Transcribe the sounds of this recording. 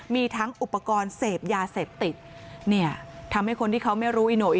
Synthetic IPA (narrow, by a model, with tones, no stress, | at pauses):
miː˧t̪ʰa˦˥ŋʔu˨˩pːa˧kɔː˧nseː˨˩p̚jaː˧seː˨˩p̚t̪i˨˩t̪̚ | ni˥˩ɐt̪ʰa˧mha˥˩jkʰo˧nt̪iː˥˩kʰa˦˥wma˥˩jɾuː˦˥ʔiː˧noː˧˩ʔi˨